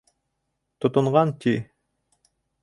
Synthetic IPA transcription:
t̪ŏt̪ŭɴʁɑnt̪ʲi

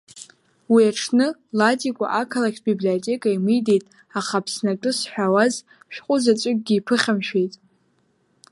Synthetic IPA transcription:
wiaʈ͡ʂʰnɨlatʼikʷʼa̰ʔakʰalakʲʰbiblijo̞tʼe̞kʼaimɨjdejtʼ | aχapʰsnakʼɨsħʷᶣawaz | ʃᶣqʷʼʊzat͡ʃʷʼʊɡ̚ʲɡʲiːpʰɨχʲamʃᶣejtʼ

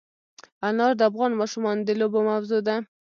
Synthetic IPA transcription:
anɑɾd̪əafɣɑnmɑʃumɑnd̪əlobomawzod̪a

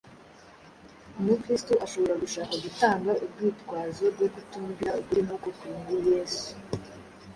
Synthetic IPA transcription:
mukɾistoʔaʃo̞βo̞ɾaɡuʃaːkaɡutaːŋɡaʔubɡiːtkwaːzobɡo̞ɡutuːmbiɾauɡuɾinokokuiŋɡuɾjeːsu̥

